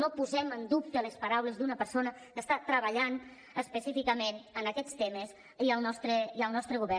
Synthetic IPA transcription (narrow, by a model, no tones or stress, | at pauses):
nopuzɛmənd̪up̚t̪əlespəɾawləzd̪unəpəɾsonə | kəst̪at̪ɾəβəʎan | əspəsifikəmenənəkɛt͡st̪eməs | iəlˠnɔst̪ɾeiəlˠnɔst̪ɾəɣuβɛ